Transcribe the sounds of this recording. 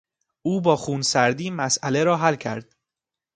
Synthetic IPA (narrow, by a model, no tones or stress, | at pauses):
ʔuːbɒːxuːnsæɾd̪iːmæsʔæle̞ɾɒːɦælcʰæ̰ɾd̪̥̚